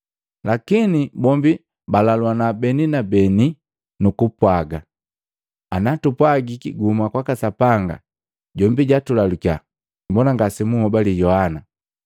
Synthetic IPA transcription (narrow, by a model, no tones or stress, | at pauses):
lakinibɔmbi | balalwanabɛninabɛni | nukupwaɡa | anatupwaɡikiɡumakwakasapaŋɡa̰ | ɟɔmbiɟatulalukja̰ | mbɔnaŋɡasimuhɔbalijɔhana